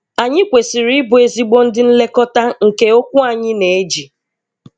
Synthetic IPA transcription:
a˨ɲɪ˦kʷe˨si˨ɾi˦bʊ˨e˨zi˦ɡ͡bo˦n̩˦dɪ˦n̩˦le˦kɔ˦ta˦ŋ̩˨ke˦o˦kʷu˦a˨ɲɪ˦ne˨e˦d͡ʒi˨

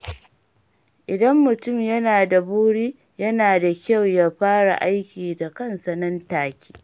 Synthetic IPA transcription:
ʔɪ˨dɐ˦mːʊ˨tʊ˦˨mjɐ˦naː˨da˨buː˦ɽiː˦ | jɐ˦naː˨da˨kʲa˦˨wjaː˦ɸaː˦ɽa̰˨ʔa˦jkʲiː˨da˨kɐ˦nsɐ˨nɐ˦ntaː˨kʲi̥ː˦

